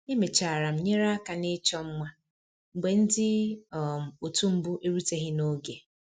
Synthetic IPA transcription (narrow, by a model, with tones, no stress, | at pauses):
e˦me˨t͡ʃa˨a˨ɾa˨m̩˨ɲe˦ɾa˦ka˨nɪ˦t͡ʃɔ˦m̩˦mʷa˦ | ŋ͡m̩˨ɡ͡be˨n̩˦dɪ˦˨ | o˨tu˦m̩˦bʊ˦ʔe˦ɾu˦te˦ɦɪ˦no˦ɡe˨